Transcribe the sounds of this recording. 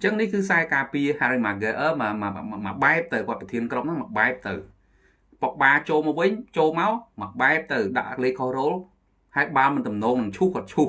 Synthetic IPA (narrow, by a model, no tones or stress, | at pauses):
əɲt͡ɕəŋnihkɨːsaɛkaːpiəhaːɾimaɡeʔəːmammaɓaɛp̚t̪ɨwkŏət̪̚pɑt̪ʰiənkrop̚mnaŋməʔɓaɛp̚t̪ɨw | pok̚ɓaːt͡ɕoːlmawʋɨɲt͡ɕoːlmaɔməɓaɛp̚t̪ɨwɗa̰ʔleːkʰohroːl | haɛjɓaːlmɨnt̪umnɔːŋnɨŋt͡ɕʰuhkŏət̪̚t͡ɕʰuh